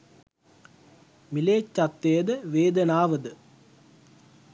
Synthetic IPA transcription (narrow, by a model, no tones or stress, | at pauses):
mileːt͡ʃːɐt̪ːejd̪əʋeːd̪ɐnaːʋəd̪ə